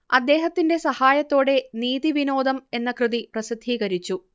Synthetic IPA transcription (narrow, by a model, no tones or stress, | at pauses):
ɐd̪ːe̞ːɦɐt̪ːinde̞sɐhaːjɐt̪ːo̞ːɽe̞niːðiʋino̞ːd̪ɐme̞nːɐkrɨðiprɐsid̪ʱːiːɣɐɾit͡ɕːu